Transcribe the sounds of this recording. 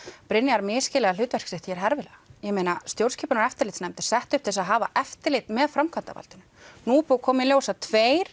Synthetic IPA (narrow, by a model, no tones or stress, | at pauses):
pɾɪnːɪaɾmɪːscɪlɛɣalʏːt̪vɛr̥ksɪht̪çɛɾɦɛɾvɪlɛɣajɛmeːjnast̪jowɾ̥scʰɛːpʏnaɾɛft̪ɪɾlɪjt̪snɛmt̪ɪ̥ɾ̥sɛht̪ʏhp̚t̪ʰɪls̬aðɦaːva̰ʔɛft̪ɪlɪt̪mɛðfɾamkʰant̪a̰va̰lt̪ɪnʏnuːpukʰɔːmɪljoːwsat̪ʰveːjɾ̥